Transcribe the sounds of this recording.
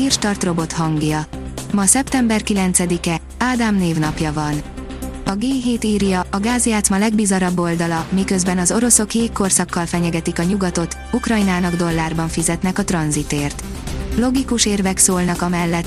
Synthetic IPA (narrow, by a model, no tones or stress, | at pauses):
irʃt̪ɒrt̪ro̞bo̞t̪hɒŋɡjɒmɒsɛpt̪ɛmbɛrkilɛnt̪sɛd̪ikɛ | aːd̪aːmneːvnɒpjɒvɒn | ɒɡeːɦeːt̪iːrjɒʔɒɡaːzijaːt̪smɒlɛɡbizɒɾɒbːo̞ld̪ɒlɒmikøzbɛnɒzo̞ɾo̞so̞kjeːkːo̞rsɒkːɒlfɛɲɛɡɛt̪ikɒɲuɡɒt̪o̞t̪ | ukrɒjnaːnɒɡd̪o̞lːaːrbɒɱfizɛt̪nɛkɒt̪rɒnzit̪eːrt̪ | lo̞ɡikuʃeːrvɛksoːlnɒkɒmɛlːɛt̪ː